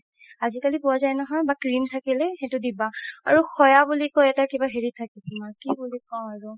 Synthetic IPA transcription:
azikalipʊazajnɔɦɔjbakɹimtʰakilɛxetʊdibaa̰ɹuxɔjabulikojɛtakibaɦeɹitʰakɛtimakibulikɔw̃aɹu

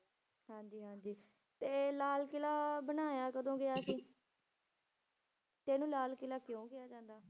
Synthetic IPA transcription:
ɦãːɲd͡ʒiːɦãːɲd͡ʒiː | t̪eːlaːlkɪlaːbənaːjaːkəd̪õːɡɪjaːsĩː | t̪ɛːnũːlaːlkɪlaːkjõːɡɪjaːd͡ʒãːnd̪aː

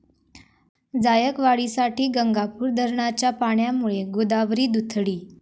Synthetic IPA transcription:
d͡zajəkʋaɭisaʈiːɡəŋɡapuːɾd̪ʱəɾɳat͡ɕjapaɳjamuɭeɡod̪aʋɾiːd̪ut̪ʰɽiː

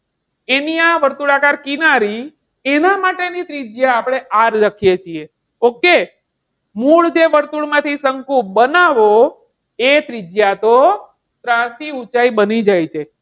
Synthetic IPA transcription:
eniaʋəɾt̪uɭakaɾkinaɾi | enamaʈenit̪ɾid͡ʒjaːpɽ̃eʔaɾɾəkʰijet͡ʃʰie | oke | muɭd͡ʒeʋəɾt̪uɭmãt̪ʰisəŋkũbənaʋo | et̪ɾid͡ʒjat̪o | t̪ɾãsiut͡ʃaibənid͡ʒajt͡ʃʰe

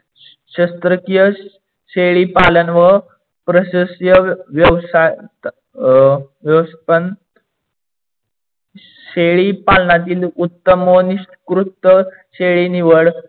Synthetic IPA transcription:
ɕəst̪ɾəkijə | ɕeɭipalənʋə | pɾəɕəsjəʋjəʋsajt̪ | ʋjəʋspən | ɕeɭipalnat̪̬iːlut̪ːəməniʂʈkɾut̪ːə | ɕeɭiniʋəɽ

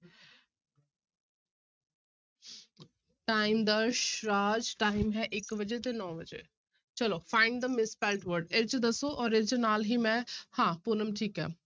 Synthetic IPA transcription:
ʈaːɪmd̪əɾʃɾaːd͡ʒʈaːɪmɦɛʔɪkʋɐd͡ʒet̪enɔːʋɐd͡ʒḛ | t͡ʃɐlofãɪ̃ɳɖd̪əmɪspɛlʈʋəɾɖeɾt͡ʃd̪ɐsoʔɔːɾeɾt͡ʃənaːlɦimɛ̃hãːpunəmʈʰiːkɦɛ̰ː

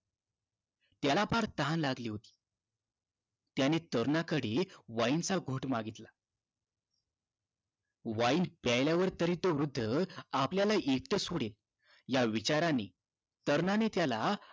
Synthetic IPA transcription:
t̪jalapaɾt̪əɦãnlaɡliːɦot̪i̥ː | t̪janet̪əɾnakəɽeʋaint͡saɡʱoʈmaɡit̪la | ʋaiːnpajljaʋəɾt̪əɾiːt̪oʋɾud̪ʱːəapljalaʔekʈ̪əsoɽel | jaʋit͡ɕaɾane | t̪əɾnanet̪jala

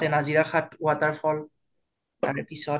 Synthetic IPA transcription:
ɛnaziɹaxatuataɹfʰɔl | taɹɛpisɔ

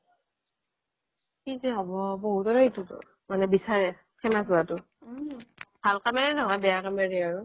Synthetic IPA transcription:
kizɛɦɔbɔbɔɦutɔɹaitutʊ̰ | manɛbisaɹɛ | kʰɛmasuatʊ | b̥ʱalkameɹinɔɦɔjbɛjakameɹiaɹʊ

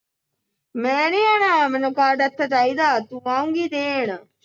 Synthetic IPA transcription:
mɛ̃ːneːaːnaːmɛ̃ːnũːkaːɾɖət̪ʰːat͡ʃaːiːd̪aːt̪ũːaːũŋɡiːd̪eːɳ

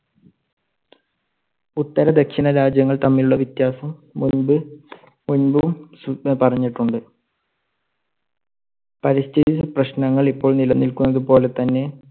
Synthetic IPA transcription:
ut̪ːɐɾɐd̪ekʂinɐɾaːd͡ʑjɐŋːɐɭt̪ɐmːiluɭːɐʋit̪jaːsɐmːunbɨ | munbumspɐrɐɲːiʈːuɳɖɨ | pɐɾist̪ʰititːɨprɐɕnɐŋːɐɭipːo̞ːɭnilɐnːilkunːɐðupo̞ːle̞t̪ɐnːe̞

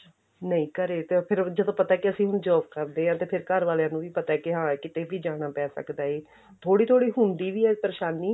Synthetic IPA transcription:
nəĩːkəɾeːt̪epʰɪɾd͡ʒəd̪õːpət̪aɛːkiəsĩːɦʊnd͡ʒɔːp̚kəɾd̪eːɦãːt̪eːpʰɪɾkəɾʋaːlejãːnũːʋiːpət̪aɛːkɪɦãːkɪt̪eːʋiːd͡ʒaːɽ̃aːpɛːsə̰kd̪aːeː | t̪ʰoːɽiːt̪ʰoːɽiːɦʊnd̪iːʋiːɛːpəɾeːʃaːniː

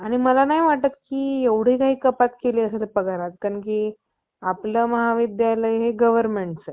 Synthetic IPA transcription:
aɽ̃iməlanaɦiʋaʈət̪̚kiːeʋɽ̤iːkaɦiːkəpat̪keliːəs̬lepəɡaɾat̪̚kəɳk̬iː | apləːməɦaʋid̪jaləjɦeɡəʋəɾmeɳʈsə

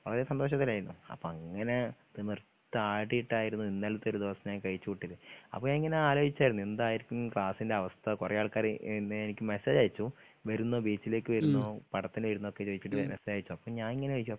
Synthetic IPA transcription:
ʋɐ̰ɭɐðesɐnd̪o̞ːʂ̬ɐt̪̬ːilaːjiɾunːuɐ̰pːoːɐŋːɐne̞t̪imirt̪ːɨaːɽijiʈːaːjiɾunːuinːelːɐt̪ːoɾud̪iʋɐsɐɲaːnkɐɻit͡ɕːukuʈːiðɨɐ̰pːoːɲaːniŋːɐneaːlo̞ːit͡ɕːaːjɾunːuend̪aːjiɾikʲːumkɭaːsinde̞ɐʋɐst̪ʰɐkurɐjaːɭkaːɾnːɨenikʲːumeseːd͡ʑaːjit͡ɕːu | ʋɐɾunːoːbiːt͡ɕːile̞ːkʲːɨʋɐɾunːoːpɐɽɐt̪ːinʋɐjiɾunːuo̞kːet͡ɕoːd̪it͡ɕːiʈ̬ːɨʋemesaːjit͡ɕːuɐpːoːɭɲaːniŋːɐneʋɐikːumɐ

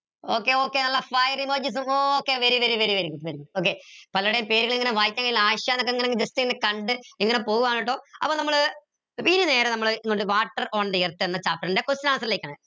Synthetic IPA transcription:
oːkːeoːkːeːnɐlːɐfaːjɐrimoːd͡ʑis̬umoːoːkːeʋɐɾiʋɐɾiʋɐɾiʋɐɾiŋɡuɖpɐɾiɡoːk̬ːepɐlɐɽejumpeːɾuɣɐɭiŋːɐneʋaːjikʲːaŋːɡɐilaːɕjaːnokːeŋːɐneŋɡd͡ʑestiŋːɐnekɐɳɖɨiŋːɐnepo̞ːɣuʋaːniʈːo̞ːɐ̰pːoːnɐmːɐɭ | ʋinine̞ːɾɐnɐmːɐɭŋoɳɖɨʋaːʈːɐroːɳɖijɐrt̪ːienːɐt͡ɕaːpːɐɾɳɖdekosinaːnɐsɐɾɐleːkʲːaːɳɨ

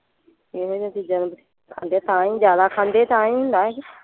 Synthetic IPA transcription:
eːɦoid͡ʒãːt̪iːd͡ʒənmt̪ː | kʰãːnd̪et̪ãːĩːzjaːd̪aːkʰãːnd̪eːt̪ãːĩːɦʊ̃nd̪aːe

